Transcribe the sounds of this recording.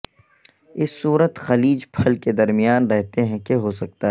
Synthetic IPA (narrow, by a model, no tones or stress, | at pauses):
ɪsːuːɾət̪xɐliːd͡ʒpʰɐlked̪ɐɾmijaːnɾɛɦt̪eɦɛ̃keɦosɐk̚t̪aɦɛː